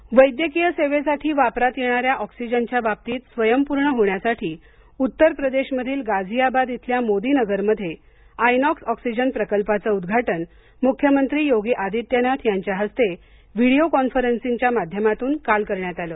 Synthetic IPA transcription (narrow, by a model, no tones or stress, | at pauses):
ʋəjd̪jəkijəseʋesaʈʰiːʋapɾat̪jeɽ̃aɾjaʔɔksid͡ʑənt͡ɕjabap̚t̪iːt̪sʋəjəmpuɾɳəɦoɳjasaʈʰiː | ut̪ːəɾpɾəd̪eɕməd̪ʱiːlɡad͡zʱiabad̪it̪ʰljamod̪iːnəɡəɾməd̪ʱːje | ajnɔksɔksid͡ʑənpɾəkəlpat͡səud̪ɡʱaʈən | mukʰːjəmənt̪ɾiːjoɡiːʔad̪ʱit̪janat̪ʰjaɲt͡ɕjaɦəst̪e | ʋiɽijokɔnfəɾənsiɲt͡ɕjamad̪ʱjəmat̪uːnkalkəɾɳjat̪aləː